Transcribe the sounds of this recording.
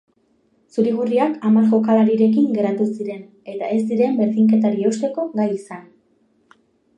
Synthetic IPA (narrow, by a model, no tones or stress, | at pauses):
suɾiɣ̞uriakamaɾʝo̞kalaɾiɾe̞kiŋɡe̞ɾat̪usiɾe̞n | e̞t̪ae̞zd̪iɾe̞mbe̞ɾðiŋke̞t̪aɾieust̪e̞ko̞ɣajisan